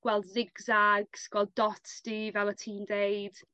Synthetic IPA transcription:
ɡ̥wɛlˠdzɪɡzaɡsɡ̥wɛlˠdːɔtd̥ivɛlˠətʰiːmdejd̥

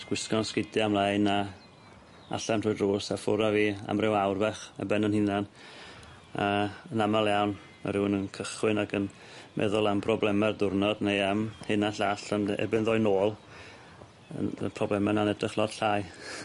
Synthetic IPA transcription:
ɡ̥wɪskɔnskɪdamlˠajna | a̰ɬantʰr̥ʊːjdroːsafʊɾaviːa̰mrɪwawrvɛχa̰bɛnənhɪnan | aənamalˠjawn | ma̰ɾɪwnənkʰəχwɪnaɡən | mʔɛ̰ðʊlˠampʰrɔblˠɛmɛrdʊrnɔdnejamhɨnaɬaɬanɛ̰bɪnðɔjnoːlˠ | ə̰pʰrɔblɛmananɛdrɪχlˠɔd̥ɬaːj

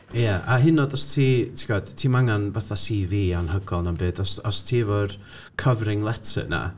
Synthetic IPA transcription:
jaʔaɦɪnɔdɔstʰiːtʰi̥ɡɔd̥tʰiːmaŋanbɛθasiːviːanhəɡɔlˠnambeːdɔsɔstʰiːvor | kʰəvrɪŋlˠɛtʰə̰na̰

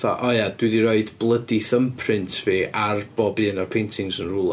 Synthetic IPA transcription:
θa̰ʔɔjad̥wɪðiɾɔɨdblˠədiθəmpʰrɪntʰveːʔarbɔbɨnarpʰejntʰɪŋsənrulˠa

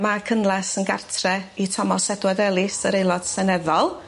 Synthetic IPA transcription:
makʰənlˠasənɡa̰rtʰrɛitʰɔmɔsɛdwɛðɛlˠɪsəɾejlˠɔd̥sɛnɛðɔlˠ

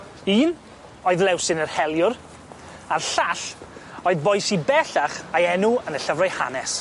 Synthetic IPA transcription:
iːn | oːɨðlˠɛwsɪnərhɛlˠjʊɾ | arɬaɬoːɨðbɔjsibɛɬaχajɛnʊənəɬəvrajha̰nɛs

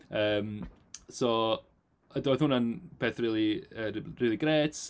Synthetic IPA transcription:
əːm | sɔ | ədɔjðhʊnanpʰeːθriːlˠiəriːlˠiɡreːt

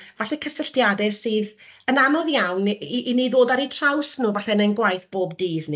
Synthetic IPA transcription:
vaɬɛkʰəsəɬtjadɛsɨːðənanɔðjawniʔiniðoːdaɾitʰrawsnuːvaɬɛnənɡwajθb̥oːbdiːðni

